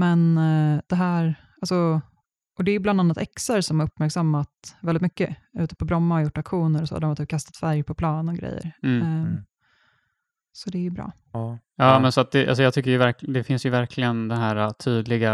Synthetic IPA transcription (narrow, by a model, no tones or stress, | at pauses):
mɛnd̪̥ɛɦæːɾ | alsɔ | ʔɔd̪ɛːɾjɵbland̪anːat̪ɛksəɾsɔmhaɾɵpːmæɾksamːat̪vɛlɪt̪mʏkːəʉ̟ːt̪ə̥pʰɔbɾɔmːaɔjʊʈːakɧuːnəɾɔso̰ːd̪ɾmat̪ːɾkʰast̪at̪fæɾjpʰɔpʰlɑːnɔɡɾɛ̰jːə̰ɾ | sɔd̪ɛjəbɾɑ̰ː | jɑːmɛnsɔat̪̚d̪ɛʔa̰ls̬ɔjɑːt̪ʏkːəɾjɵvæɾkd̪ɛfɪnsjɵvæɾkʰlɪɡənd̪ɛɦæːɾat̪ʰyːd̪lɪɡa